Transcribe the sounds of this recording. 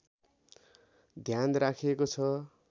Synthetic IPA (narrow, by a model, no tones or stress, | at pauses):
d̪ʱjanrakʰekot͡sʰʌ